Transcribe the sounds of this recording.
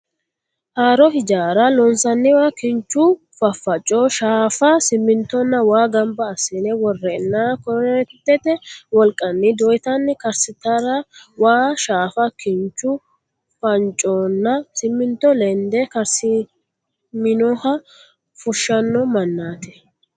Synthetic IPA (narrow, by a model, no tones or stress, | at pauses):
haːɾɔhɪd͡ʒaːɾɐlɔnsɐnːɪwaːkɪnt͡ʃːʊ | fɐfːɐt͡ʃʼːɔʃaːfɐsɪmːɪnt̪ːɔnːɐwaːɡɐmbɐːsɛnɛwɔrːɛɪnːaːkɔnt̪ːɛt̪ɛwɔlkʼːɐnːɪd̪ɔjt̪ɐnːɪkɐɾsɪt̪ɐɾɐwaːʃaːfɐkɪnt͡ʃːʊ | fɐnt͡ʃʼːɔːnːɐsɪmːɪnt̪ːɔlɛnd̪ɛkɐɾsɪ | mɪnɔhɐ | fʊʃːɐnːɔmɐnːaːt̪ɛ̥